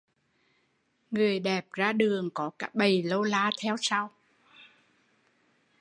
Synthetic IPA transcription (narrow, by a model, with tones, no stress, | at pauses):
ŋɨ˨˩əjɗɛ˨˩p̚zaː˧ɗɨ˨˩əŋkɔ˨˦kaː˨˦˥ɓə˨˩jlo˧laː˧t̪ʰɛ˧wsa˧w